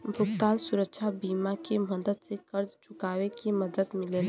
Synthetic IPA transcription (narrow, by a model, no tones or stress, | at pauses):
bʱuɡt̪ansuɾək̚t͡ʃʰabimakeməd̪əd̪sẽkəɾd͡ʒt͡ʃukawekeməd̪əd̪milel